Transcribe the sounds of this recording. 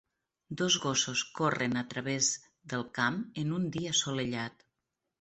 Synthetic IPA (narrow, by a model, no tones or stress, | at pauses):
d̪ozɣososkorənət̪ɾəβez | ðəlˠkamənund̪iəsoləʎat̪